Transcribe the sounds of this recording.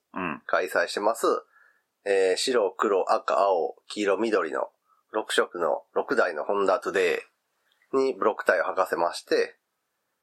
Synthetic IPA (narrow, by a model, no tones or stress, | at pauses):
ɯ̃kaisaiɕi̥t̪e̞masɨ | eːɕiɾo̞kɯ̟ɾo̞ʔaka̰aokʲiɾo̞mʲid̪o̞ɾʲḭno̰ | ɾo̞kɯ̟̥ɕo̞kɯ̟no̞̰ɾo̞kɯ̟d̪aino̞hõ̞nd̪at̪od̪e̞ː | ɲ̟ibɯ̟ɾo̞kːɯ̥t̪aio̞hakase̞maɕi̥t̪e̞